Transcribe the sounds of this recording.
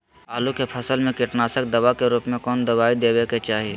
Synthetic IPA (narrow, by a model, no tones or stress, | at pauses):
aːlukepʰɐsəlmẽkɪʈnaːsək̚d̪ɐʋakeɾuːpmẽkɔːnd̪ɐʋaːid̪eːweːket͡ʃaːɦie